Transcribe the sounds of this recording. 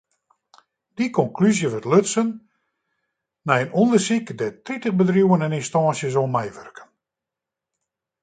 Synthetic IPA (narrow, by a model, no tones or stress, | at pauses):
d̥ikʰɔŋklyzjəʋətløtsən | ɛjənɔndərsikdɛtritəχbədrjuwənɛninstɑːnsjəsomɛjʋørkə̥n